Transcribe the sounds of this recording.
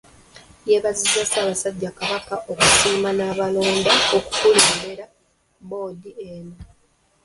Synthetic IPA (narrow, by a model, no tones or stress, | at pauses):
jeβazizasaːβasaɟːakaβakaʔo̞kusiːmanaːβalo̞ːndaoku̥fuleːmbeɾa | bo̞ːdieno